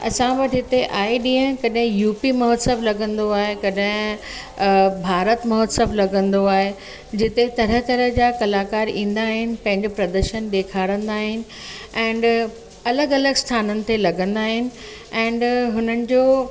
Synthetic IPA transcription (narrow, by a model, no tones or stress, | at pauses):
ɐ̰sãbɐʈɦɪt̪eʔaːiɗiːə̃kɐɗɦɪ̃juːpimɐɦɔːt̪səblɐɡə̃nd̪oaːɦekɐɗɦɪ̃ | bʱaːɾət̪mɐɦɔt̪səblɐɡə̃nd̪oaːɦe | d͡ʑɪt̪et̪ɐɾət̪ɐɾə̆d͡ʑakɐlaːkaːɾĩːn̆d̪aːɦɪnɪ̆pɐ̃ɦɪ̃ɲd͡ʑopɾɐd̪əɾʃənɗ̪eːkʰaːɽə̃nd̪aːɦɪnɪ̆ɛ̃ːɳɖ | ɐləɡɐləɡst̪ʰaːnənɪ̆t̪ʰelɐɡə̃nd̪aːɦɪnɪ̆ | ɛ̃ːɳɖɦʊnənɪ̆d͡ʑoː